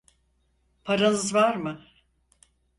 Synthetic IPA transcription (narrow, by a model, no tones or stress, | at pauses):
pʰaɾanɯzvaɾmɯ